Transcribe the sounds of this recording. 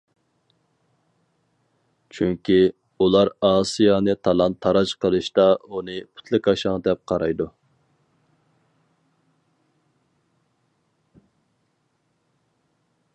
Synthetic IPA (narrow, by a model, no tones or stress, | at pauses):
t͡ʃʰyŋkʲi | ulˠɑɾɑːsijɑnɨt̪ʰɑlˠɑnt̪ʰɑɾɑt͡ʃqəlˠɨʃt̪ɑunɨpʰu̥t̪ʰlˠɨkʲɑʃɑŋd̪ɛp̚qʰɑɾɑjd̪u